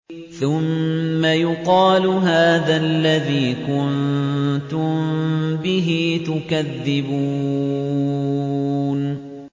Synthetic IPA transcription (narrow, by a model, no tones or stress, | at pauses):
θʊmːajʊqɑːlʊɦaːðalːaðiːkʊnnt̪ʊmbɪɦiːt̪ʊkaðːɪbuː | n